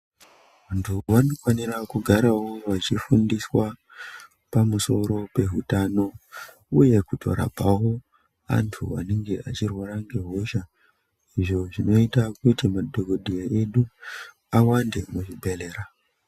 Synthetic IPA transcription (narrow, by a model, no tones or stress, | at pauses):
ʋantʰuʋano̞fwanirakuɡʱaɾawo̞ʋat͡ʃifundiswa | pamuso̞ɾo̞pe̞ɦutano̞ | uje̞kutʰo̞̰ɾa̰bʱawo̞ | a̰ntʰṵʋa̰neŋɡe̞at͡ʃirwaɾaŋɡe̞ɦoʃa | iʐo̞ʐino̞itakutimadʱokoɗʱijae̞ɗu | awande̞muʐibʱe̞le̞ːɾa